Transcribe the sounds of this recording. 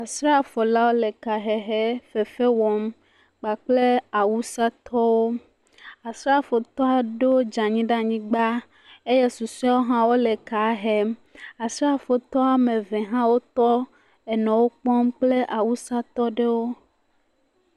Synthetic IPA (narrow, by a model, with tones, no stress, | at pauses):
a˨sɾa˦˨fɔ˨la˦wo˦le˨ka˨ɦɛ˨ɦe˦fe˨fe˦wɔ˨m | k͡pa˨k͡ple˦a˨wu˦sa˦t̪ʰɔ˦wo˦ | a˨sɾa˦fo˨t̪ɔ˦a˨ɖo˦d͡ʒa˨ɲĩ˦ɖa˦ɲĩ˦ɡ͡ba˦ | e˦jɛ˦su˨su˦a˦wo˦ɦã˦wo˦le˨ka˨ɦɛ˦ma˨sɾa˦˨fo˨t̪ɔ˦a˨mẽ˨vɛ˨ɦã˦wo˦t̪ɔ˦ | ɛ˨nɔ̃˨wo˦k͡pɔ̃˦mk͡ple˦ʔa˨wu˦sa˦t̪ɔ˦ɖe˦wo˦